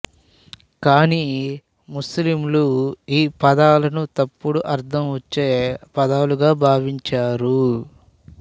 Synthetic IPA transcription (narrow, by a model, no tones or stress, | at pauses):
kaːni | muslimluiːpɐd̪aːlɐnut̪ɐpːuɽuʔɐɾd̪ʰʱɐmʋɐt͡ʃːeːpɐd̪aːluɡaːbʱaːʋiɲt͡ʃaːɾu